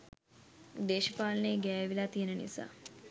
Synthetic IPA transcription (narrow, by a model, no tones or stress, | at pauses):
d̪eːʃəpaːləneːɡɛːʋilaːt̪ijənənḭsa̰ː